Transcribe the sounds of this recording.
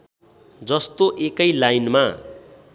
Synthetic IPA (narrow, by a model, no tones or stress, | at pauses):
d͡zʌst̪oʔekʌjlajnma